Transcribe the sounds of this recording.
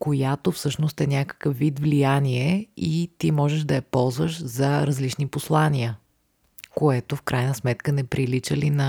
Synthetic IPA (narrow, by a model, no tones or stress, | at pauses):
kojat̪ofsɤʃnost̪ɛnʲakə̥kəfvid̪vlijaniɛit̪imɔʒɛʒd̪ɐɛpɔlˠzvəʃzɐɾɐzlit͡ʃniposlˠaniə | koɛt̪ofkɾajnəsmɛt̪kənɛpɾilit͡ʃəlinɐ